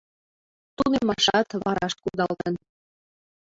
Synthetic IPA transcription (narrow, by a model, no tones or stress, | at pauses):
t̪unemɑʃɑt̪βɑɾɑʃt̪̚kud̪ɑlt̪ə̆n